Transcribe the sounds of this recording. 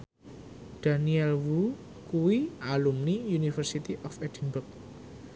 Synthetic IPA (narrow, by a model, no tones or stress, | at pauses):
d̥aniɛlwu | kuwiʔalumnijunifərsit̪iʔɔfɛd̪̥inbʊk̚